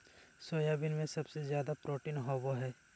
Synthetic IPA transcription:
soːjaːbɪnmẽsɐbsezjaːd̪apɾoːʈinɦɔːboɦɛː

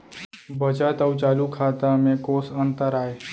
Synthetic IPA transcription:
bət͡ɕat̪əwt͡ɕalukʰat̪əmekosənt̪əɾae

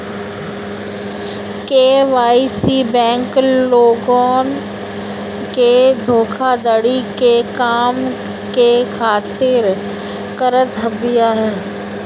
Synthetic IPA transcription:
keːʋaːisibɛ̃ːŋkloːɡoɔːn | ked̪ʱoːkʰad̪əɽikekaːm | kekʰaːt̪ɪɾ | kəɾət̪əbɪjaɦɛː

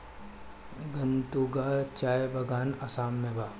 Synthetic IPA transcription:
ɡɐnt̪uɡat͡ʃaːjbɐɡʱaːnɐsaːmːẽbaː

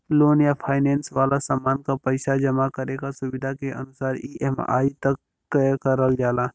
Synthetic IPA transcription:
loːnjapʰaːɪnɛ̃ːnsʋaːlasaːmaːnkapəɪsad͡ʒɐmakəɾekasʊʋɪd̪ʱakeʔɐ̰nʊsaːɾiːʔɛma̰ːit̪ɐkː | kəɾəɡd͡ʒaːlaː

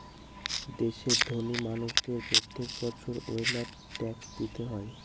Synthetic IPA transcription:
d̪eʃeɾd̪ʱonimanuʃd̪eɾbot̪ʰːek̚bɔt͡ɕʰoɾojla | ʈɛksd̪it̪eɦɔe

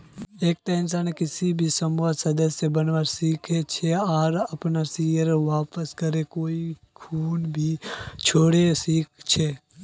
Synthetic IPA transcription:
eːk̚t̪əɪnsaːnekɪsibʱisəmʋasəd̪əsjebənʋaɾsiːkʰet͡ʃʰeaːɾəpnasiːəɾʋaːpəskəɾekoːi | kʰuːnbʱit͡ʃʰoːɽesiːk̚ʰt͡ʃʰe

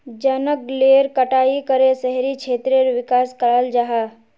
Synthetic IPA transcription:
d͡ʒənəkleːɾkəʈaːikəɾesəɦɾikt͡ʃʰeːt̪ɾeɾʋɪkaːskəɭaːld͡ʒaɦa

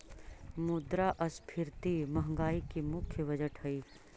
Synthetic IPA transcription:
mʊd̪ɾaʔɐspʰɪɾt̪imɐɦŋɡaːikimʊkʰjəʋɐd͡ʒəʈhɐiː

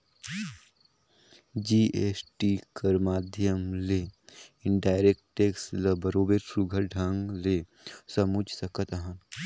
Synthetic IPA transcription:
d͡ʒiːeːsʈikɐɾmaːd̪ʱjəmleɪɖaːɪɾek̚ʈʈeːksləbɐɾoːbeɾsuɡʱəɾɖʱãŋɡle | sɐmud͡ʒʱsɐkət̪aɦɐn

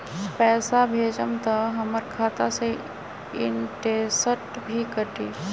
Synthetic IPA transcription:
pɛːsabʱeːd͡ʒəmt̪aɦəməɾkʰaːt̪ase | ɪ̰nʈeːsəʈ | bʱikəʈiː

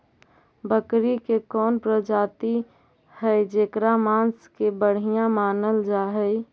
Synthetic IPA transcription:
bəkɾikekɔːnpɾəd͡ʒaːt̪i | hɛɪd͡ʒeːkɾamãːnskebəɽ̤ijãmaːnəld͡ʒaːɦɛi

